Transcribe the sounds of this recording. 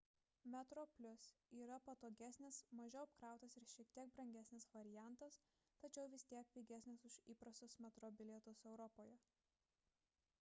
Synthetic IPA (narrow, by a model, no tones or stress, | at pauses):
mʲɛt̪ɾoːpʲlʲʊsiːɾɐpɐt̪oːɡʲæsʲnʲɪsmɐʒʲɛʊɐpkɾɑˑʊt̪ɐsɪɾʃʲiɛkt̪ʲiɛk̚bɾɐŋʲɡʲæsʲnʲɪsʋɐɾʲɪjæˑnˑt̪ɐs | t̪ɐt͡ʃʲɛʊʋʲɪsʲt̪ʲiɛk̚pʲiːɡʲæˑsʲnʲɪsʊʃiːpɾɐst̪oːsmʲɛt̪ɾɔːbʲɪlʲɛt̪osɛʊɾɔpoːjɛ